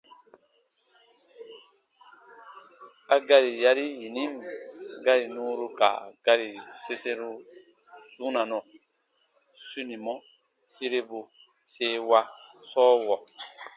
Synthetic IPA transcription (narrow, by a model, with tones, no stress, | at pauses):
a˨ɡa˦ɾi˨ja˦ɾi˦ji˨ni˦mɡa˦ɾi˨nũː˦ɾu˦ka̰˨ɡ̥a˦ɾi˨se˦se˦ɾu˦ | su˦na˨nɔ˨ | su˦ni˨mɔ˦ | si˦ɾe˦bu˨ | seː˦wa˦sɔː˦wɔ˨